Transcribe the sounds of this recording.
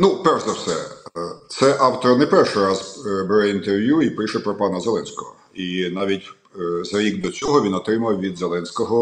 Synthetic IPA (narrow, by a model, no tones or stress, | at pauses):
nupɛrʃzɐwsɛ̰t̪sɛʔɑwt̪ɔɾɐnɛpɛrʃɪɾɑzbeɾɛint̪erʋʲjuipɪʃɛpɾɔpɑnɐzelˠɛnʲsʲkɔɦɔ | inɑʋʲitʲ | zɐɾʲiɡ̚d̪ɔt͡sʲɔɦɔʋʲinɔt̪ɾɪmɐwʋʲid̪zelˠɛnʲsʲkɔɦɔ